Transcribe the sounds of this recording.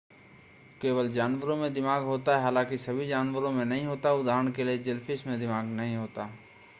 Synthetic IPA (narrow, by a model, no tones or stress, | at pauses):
keːʋəld͡ʒaːnʋəɾõmẽd̪ɪmaːɡɦoːt̪aɦɛɦaːlãːkisɐbʱid͡ʒaːnwəɾõmẽnɐɦĩɦoːt̪aʊd̪aːɾəɳ̃kelied͡ʒɪlpɪsmẽd̪ɪmaːɡnɐɦĩɦoːt̪aː